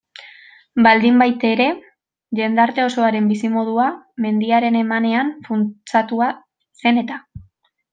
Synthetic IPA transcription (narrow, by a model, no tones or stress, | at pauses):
bald̪imbajt̪e̞ɾe̞ | ʎe̞nd̪aɾt̪e̞o̞so̞aɾe̞mbisimo̞ð̞uame̞nd̪iaɾe̞ne̞mane̞aɱfunt͡sat̪ua | se̞ne̞t̪a